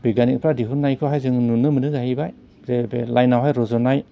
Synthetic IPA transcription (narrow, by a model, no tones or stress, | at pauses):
biɡanikpʰɾadiɦunːajkʰɯɦajzɯŋnunɯmɯnɯɡahibaj | zebelajnawɦajɾɔzɔnaj